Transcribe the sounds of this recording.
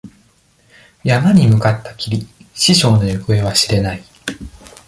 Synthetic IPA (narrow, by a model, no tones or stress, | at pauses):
jamaɲ̟imɯ̟kat̪ːḁkʲiɾʲiɕiɕo̞ːno̞jokɯe̞β̞aɕiɾe̞nai